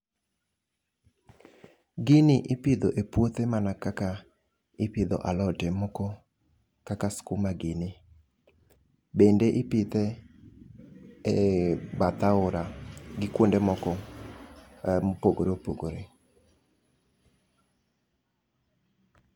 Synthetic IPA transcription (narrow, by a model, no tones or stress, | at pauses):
ɡɪnɪʔɪpɪd̪oʔepwot̪emanakaka | ɪpɪd̪ɔ̰ʔalɔtɛmɔkɔ | kakaskumaɡɪnɪ | bendeʔɪpɪt̪e | bat̪aʊɾaɡɪkwondemɔkɔ | poɡoɾopoɡoɾe